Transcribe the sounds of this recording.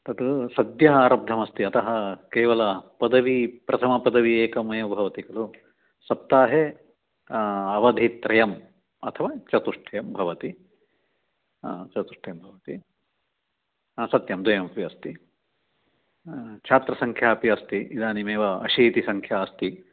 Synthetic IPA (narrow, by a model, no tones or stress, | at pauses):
t̪ɐt̪usɐd̪jɐɦaːɾɐb̚d̪ʱɐmɐst̪iɐt̪ɐɦɐkeːʋɐlɐpɐd̪ɐʋipɾɐt̪ʰɐmɐpɐd̪ɐʋieːkɐmɐjɐbʱɐʋɐt̪iɡɐlu | sɐpt̪ːaːɦe | ɐʋɐd̪ʱit̪ɾɐjɐm | ɐt̪ʰɐʋaːt͡ʃɐt̪uʂʈʰɐjɐmbʱɐʋɐt̪i | t͡ʃɐt̪uʂʈʰɐjɐmbʱɐʋɐt̪i | sɐt̪jɐmd̪ʋɐjɐmɐpiɐst̪i | t͡ʃʰaːt̪ɾɐsɐŋkʰjaːpiɐst̪iʔid̪aːnimeːʋɐɐʃiːt̪isɐŋkʰjaːɐst̪i